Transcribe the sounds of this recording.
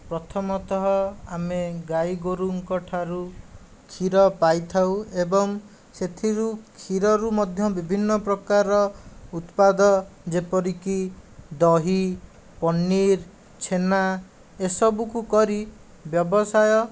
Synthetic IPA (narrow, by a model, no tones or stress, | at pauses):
pɾɔt̪ʰɔmɔt̪ɔɦɔameɡajɡoɾuŋkɔʈʰaɾu | kʰiɾɔpajt̪ʰawebɔŋ | set̪ʰiɾukʰiɾɔɾumɔd̪ʱjɔbibʱinːɔpɾɔkaɾɔut̪pad̪ɔd͡ʒepɔɾikid̪ɔɦi | pɔnːiɾ | t͡ʃʰena | esɔbukukɔɾi | bjɔbɔsajɔ